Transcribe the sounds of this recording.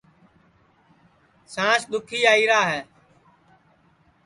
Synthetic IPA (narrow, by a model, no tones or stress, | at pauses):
sãːsɗ̪ʊkʰiːaːiːɾaːɦɛː